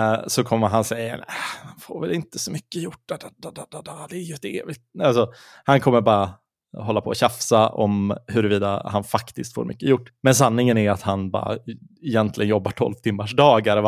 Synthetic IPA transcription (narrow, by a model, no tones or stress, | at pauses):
sɔkʰɔmːəɾɦansɛjə̰næ̰mɛnfo̰ːɾvɛlɪnt̪əsɔmʏkːəjʊʈːad̪d̪d̪d̪d̪ɑd̪ɛːɾjɵɛt̪ḛːvɪɡt̪alsɔ | hankʰɔmːəɾbɑːɾa | ɦɔlːapʰɔːɕafsaʔɔ̰mhɵɾəviːd̪a̰hanfakt̪ɪskt̪fo̰ːɾmʏ̰kːəjʊʈːmɛns̬anːɪŋənæɾat̪hanbɑ̰ːɾa̰ | ɛjɛnt̪ʰlɪ̰ɡənjɔbːaʈʰɔ̰lvt̪ʰɪmːaʂɖɑːɡɛɾv